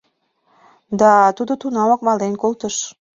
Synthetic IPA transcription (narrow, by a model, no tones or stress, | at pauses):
d̪ɑt̪ud̪ot̪unɑmɑk̚mɑlenkolt̪əʃ